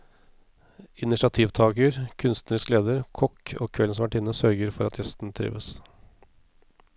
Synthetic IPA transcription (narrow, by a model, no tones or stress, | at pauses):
ɪnɪʂɑt̪ʰiːʋt̪ʰɑːkəɾkʰʉnst̪nəɾɪskleːd̪əɾkʰɔko̰ːkʰʋɛlnsmɑʈɪnəsœɾɡəɾfɔɾɑt̪ʰjɛst̪n̩t̪ʰɾḭːʋəs